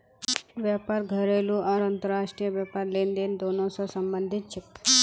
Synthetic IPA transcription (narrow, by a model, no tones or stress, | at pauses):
ʋjaːpaːɾɡʱəɾeːluʔaɾɐnt̪əɾaːʃʈɾijəʋjapaːɾleːnd̪eːnd̪oːnõsɔsɐmbə̃nd̪ʱɪt̪̚t͡ʃʰe